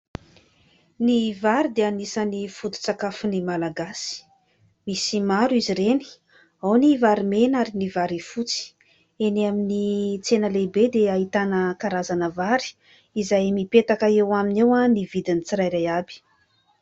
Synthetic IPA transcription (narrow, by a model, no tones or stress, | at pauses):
nivaɾid̪eanisənifut̪u̥t͡sakafunimalaɡasi̥ | misimaɾuiziɾeni̥ | awnivaɾimenaɾinivaɾifut͡si̥ | eniaminit͡senəlebed̪eaɦit̪anəkaɾazanəvaɾi̥ | izajmipet̪akaewaminewanivid̪init͡siɾajɾajabi̥